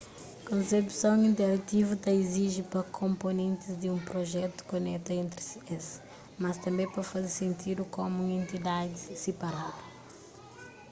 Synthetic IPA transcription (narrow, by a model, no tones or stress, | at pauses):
kõnsepsɐ̃w̃ĩnt̪ɛɾɐt̪ivut̪ɐiziʒipɾɐkʰõmponẽnt̪ɪzd̪ɪũpɾoʒɛt̪u̥konɛt̪ɐẽnt̪ɾisies | mɐst̪ɐ̃mbẽj̃pɾɐfɐzeɾsẽnt̪ʰid̪ukomũẽnt̪id̪ad̪ɪsepɐɾadɐ